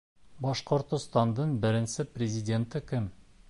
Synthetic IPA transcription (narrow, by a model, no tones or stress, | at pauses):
bɑʃqŏɾt̪ost̪ɑnd̪əɴbɪɾɪnsɪprʲezʲidʲe̞nt̪ɪkʲʰɪm